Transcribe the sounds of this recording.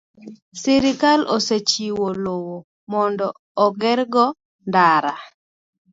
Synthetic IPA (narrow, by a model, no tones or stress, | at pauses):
siɾɪkaloset͡ʃiwolowo | mɔndɔː | ɡɛɾɡɔ | ndaɾa